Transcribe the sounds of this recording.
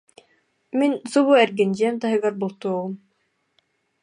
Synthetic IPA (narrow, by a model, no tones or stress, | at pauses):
minsuβuɛɾɡɛnʲd͡ʑiɛmt̪aɦɯ̆ɡaɾbulˠt̪uɔʁum